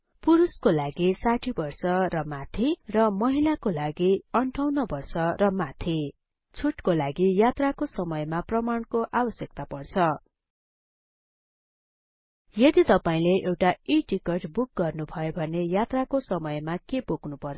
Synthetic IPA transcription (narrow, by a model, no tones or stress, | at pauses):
puɾuskolaɡisaʈʰibʌrsʌrʌmat̪ʰirʌmʌɦilakolaɡiʌɳʈʰʌwnʌbʌrsʌrʌmat̪ʰi | t͡sʰuʈkolaɡijat̪rakosʌmʌjmaprʌmaɳkoʔabʌsjʌk̚t̪apʌrt͡sʰʌ | jʌd̪it̪ʌpaĩleʔewʈaiʈikʌʈbuk̚ɡʌrnubʱʌjobʱʌnejat̪rakosʌmʌjmakepoknupʌr